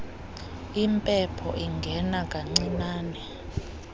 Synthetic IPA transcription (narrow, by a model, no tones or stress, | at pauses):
impʼɛpʰɔ̰ʔiŋɡʱɛnakʼaŋ͡ǀinaːnɛ